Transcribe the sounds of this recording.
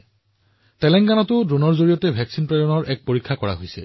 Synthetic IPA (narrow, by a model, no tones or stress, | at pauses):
tɛlɛŋɡanɔtʊdɹonɔɹzoɹijɔtɛbʱɛksinpɹɛdɔnɔɹʔɛk̚poɹikʰːakɔɹa̰ɦojsɛ̰